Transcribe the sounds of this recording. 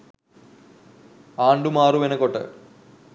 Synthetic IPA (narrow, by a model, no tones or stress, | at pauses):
aːɳɖumaːruʋenɐkːoʈːɨ̰